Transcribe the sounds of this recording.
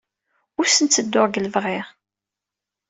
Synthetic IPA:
ʊɾsənt͡sːəd̪ːʊʁɡələvʁɪʁ

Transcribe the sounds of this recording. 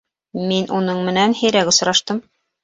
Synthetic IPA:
minʔunɤɴmɘ̆nænhɘ̆jɾæɡŏs̆ɾɑʃt̪ɤm

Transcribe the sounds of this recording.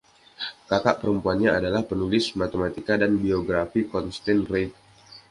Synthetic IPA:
kaka̰ʔpəɾəmpuanɲaadalahpənulɪsmat̪əmat̪ikadanbioɡɾafikɔnst̪ɛnret̪̚

